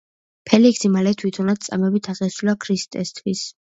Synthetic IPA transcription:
pʰɛliksimalɛt̪ʰwit̪ʰɔnad̪̚t̪sʼa̰mɛbit̪ʰaʁɛsulakʰɾist̪ʼɛ̰st̪ʰwis

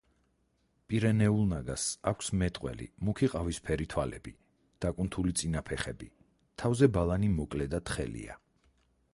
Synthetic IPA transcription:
pʼiɾɛnɛulˠnaɡasakʷʰsmɛt̪ʼqʼwɛ̰lḭmukʰiqʼavispʰɛɾit̪ʰwalɛ̰bi | d̪̥akʼunt̪ʰulit̪sʼinapʰɛχɛbi | t̪ʰavzɛbalˠanimɔkʼlɛd̪at̪χɛ̰lḭa̰

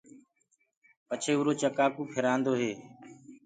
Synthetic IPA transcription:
pət͡ʃʰeːuːɾoːt͡ʃəkaːkuːpʰɪɾãːnd̪oːɦeː

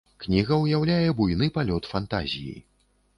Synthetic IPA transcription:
knʲiɣɐwjawlʲajɛbujnɨpalʲɔt̪fant̪a̰zʲḭjḭ

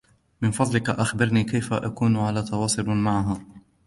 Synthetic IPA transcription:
mɪnfɑd̪ˤlɪkaʔaxbɑɾˤniːkajfaʔakuːnʕalaːt̪ɑwɑːsˤʊlmaʕaɦaː

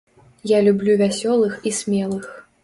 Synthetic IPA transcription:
jalʲublʲuvʲasʲɔlˠɨxisʲmʲɛlˠɨx

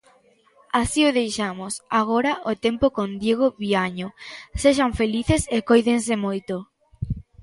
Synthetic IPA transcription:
asiʊðejʃamosaɣoɾɐʔot̪empokond̪jeɣ̞oβiaɲoseʃaɱfeliθesekojðens̬emojt̪o

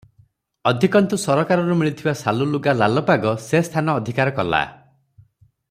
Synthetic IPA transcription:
ɔd̪ʱikɔnt̪usɔɾɔkaɾɔɾumiɭit̪ʰibasaluluɡalalɔpaɡɔsest̪ʰanɔːd̪ʱikaɾɔkɔla̰

